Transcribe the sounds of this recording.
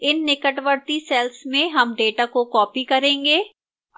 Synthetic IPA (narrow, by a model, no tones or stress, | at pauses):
ɪnːɪkəʈʋəɾt̪isɛlsmẽɦɐmɖeːʈakokɔːpikɐɾẽːŋɡeː